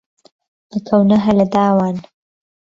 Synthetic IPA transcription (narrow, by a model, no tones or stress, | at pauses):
əkʰawnaɦalad̪aːwan